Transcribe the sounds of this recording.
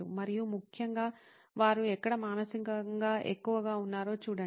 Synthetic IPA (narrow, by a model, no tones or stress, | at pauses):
umɐɾijumukʰjɐŋɡaː | ʋaːɾuɛkːɐɽɐmaːnɐsiŋkɐŋɡaːʔḛkːuʋɐɡaːunːaːɾo̞ːt͡ʃuːɽɐ